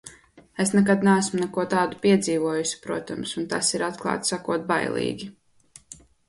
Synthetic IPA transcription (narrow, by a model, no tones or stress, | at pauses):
esnɛk̬ad̪naæsmnɛkuɔt̪aːd̪upiɛd̪ziːvuɔjusi̥pɾuɔt̪amsunt̪asiɾat̪klˠɑ̰ːt̪ssakuɔt̪̚ba̰jlˠḭːɡʲi